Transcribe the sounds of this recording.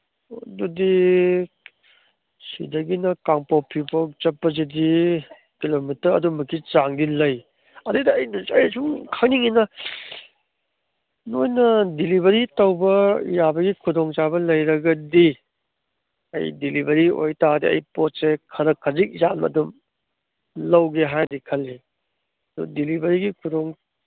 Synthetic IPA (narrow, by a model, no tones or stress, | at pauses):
dudi | sḭdɐɡinɐkaŋpopʰipot͡ʃɐpːɐzedi | kilomitɐɾɐ̰dumɐkit͡ʃaŋdilɐj | ɐdɯdɐːjnɐsɐjsuŋkʰaŋniŋinɐ | nojnɐdilibɐɾitɐwbɐjabɐɡikʰudoŋt͡ʃabɐlɐjɾɐɡɐdi | ɐ̰jdilibɐɾio̰jtadiɐ̰jpot̚sekʰɐɾɐkʰːɐzik̚zanɐ̰dum | lɐwɡeɦajdikʰɐlːi | ɐdṵdilibɐɾiɡikʰudoŋ